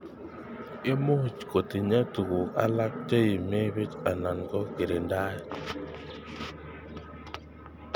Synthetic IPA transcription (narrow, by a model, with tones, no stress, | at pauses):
e˦mo˦ht͡ʃko˨ti˨ɲa˦tu˨ɡo˨ka̰˦la˦k̚t͡ʃɔ˦ji˨me˦be˦t͡ʃa˨na˨nɡɔ˦ke˨ɾe˨nda˦j